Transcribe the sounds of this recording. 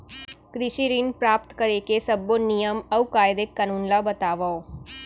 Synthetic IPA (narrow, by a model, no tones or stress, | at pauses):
kɾɪʃiɾinpɾaːp̚t̪kəɾekesəbonijəmɐukaːjd̪ekːənũːnlabət̪aːʋao